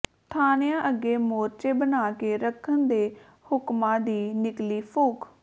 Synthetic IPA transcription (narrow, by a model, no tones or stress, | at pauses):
t̪ʰaːnjãːʔəɡeːmoːɾt͡ʃeːbənaːkeːɾəkʰːənd̪eː | hʊkmãːd̪iːnɪkliːpʰoːk